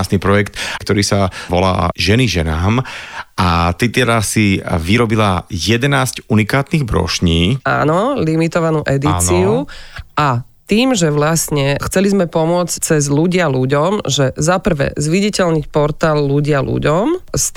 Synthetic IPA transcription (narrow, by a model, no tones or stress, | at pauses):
asnipɾɔjɛkt̪kt̪ɔɾiːsaʋɔla̰ːʒɛniʒɛnaːmʔat̪it̪ɛʎasiʋiɾɔbilajɛd̪ɛnaːscunikaːt̪niɣbɾɔ̰ʃɲiːa̰ːnɔlimit̪ɔʋanuːʔɛd̪it͡siuʔa | t̪iːmʒɛʋlasɲɛxt͡sɛlizmɛpɔmʊɔt͡sct͡sɛzluɟɪaluɟɔmʒɛzapr̩ʋɛ̰ːzʋiɟɛcɛʎɲicpɔɾt̪aːlːuɟɪalṵɟɔmst̪